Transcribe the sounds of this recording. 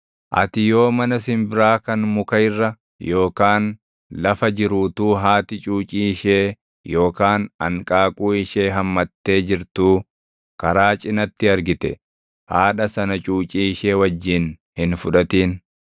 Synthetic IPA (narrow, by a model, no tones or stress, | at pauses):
ʔɐ̰t̪ɪjo̞ːmɐnɐsɪmbɪɾaːkɐnmʊkɐɪrːɐ | jo̞ːkaːn | lɐfɐd͡ʒɪɾuːt̪uːɦaːt̪ɪt͡ʃʼuːt͡ʃʼiːʃeː | jo̞ːkaːnɐ̰ŋkʼaːkʼuːɪʃeːɦɐmːɐt̪ːe̞ːd͡ʒɪɾt̪uː | kɐɾaːt͡ʃʼɪnɐt̪ːɪɐɾɡɪt̪ɛ̰ | haːᶑɐsɐnɐt͡ʃʼuːt͡ʃʼiːʃe̞ːwɐd͡ʒːiːnhɪnfʊᶑɐt̪iːn